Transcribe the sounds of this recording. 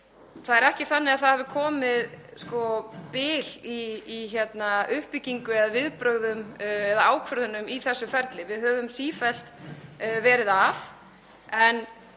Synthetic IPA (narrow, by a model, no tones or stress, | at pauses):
θaðɛɾɛhcɪθanːɪɣaðθaðhɛːvʏkʰɔːmɪðskɔpɪːliːçɛt̪naʔʏhpiciŋkʏðaðvɪðpɾœɣðʏmɛðaaːwkʰvœɾðʏnʏmiθɛsːʏfɛɾt̪lɪvɪðɦœːvʏmsiːfɛl̥t̪ | vɛːɾɪðaf | ɛn